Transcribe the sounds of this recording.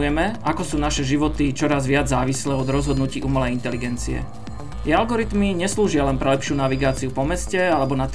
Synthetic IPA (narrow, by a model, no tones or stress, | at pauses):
jɛmɛakɔsuːnaʃɛʒiʋɔt̪it͡ʃɔɾazʋɪad͡zzaːʋislɛːɔd̪ɾɔzɦɔd̪nuciːʔumɛlɛint̪ɛliɡɛnt͡sḭɛ̰ | jɛalɡɔɾit̪miɲɛsluːʒɪalɛnpɾɛlɛpʃɪuːnaʋiɡaːt͡siupɔmɛscɛalɛbɔnat̪